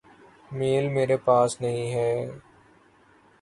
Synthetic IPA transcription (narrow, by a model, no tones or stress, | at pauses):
meːlmeːɾepaːsnɐɦĩɦɛː